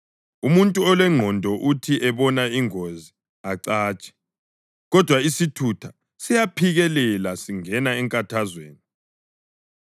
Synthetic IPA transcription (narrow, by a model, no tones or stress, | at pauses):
umuntʼuɔlwɛŋ͡ǃʱɔndʱɔʔutʰiʔɛβɔnaiŋozi | aǀaːt͡ʃʼɛ̥ | ɣɔd̥ʱwaisitʰutʰa | sijapʰiɣɛlɛlasiŋɛnaɛŋkʼatʰazweːni